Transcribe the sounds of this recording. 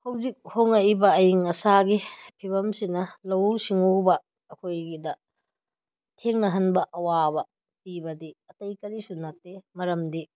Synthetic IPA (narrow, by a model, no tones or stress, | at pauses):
hɐwzik̚hoŋɐjbɐːjiŋɐsaɡipʰibɐmsinɐlɐwsiŋobɐː | kʰojɡidɐ | tʰeŋnɐɦɐnbɐʔɐwabɐ | pibɐdiɐtɐjkɐɾisunɐtːemɐɾɐmdi